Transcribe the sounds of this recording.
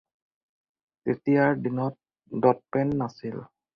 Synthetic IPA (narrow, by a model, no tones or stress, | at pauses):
t̪itiaɹdinɔt̚ | dɔt̚pɛnːasil